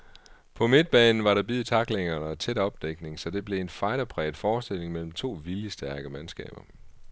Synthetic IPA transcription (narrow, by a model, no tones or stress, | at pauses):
pʰɒ̽me̝d̥̚b̥ɛːnn̩ʋɑ̈ɾ̥ɑ̈b̥ið̩̰ˠt͡sʰɑ̈ɡ̥leŋɐnəɒt͡sʰed̥ɒ̽b̥d̥eɡ̥ne̝ŋsɒ̽d̥e̝b̥le̝enfɑ̈ɪɾɐpʰʁɛ̰ːd̥fɒːsd̥e̝l̰e̝ŋmel̰m̩t͡sʰo̝̰ːʋiljəsd̥æɐɡ̥əmænsɡ̥ɛ̰ːb̥ɐ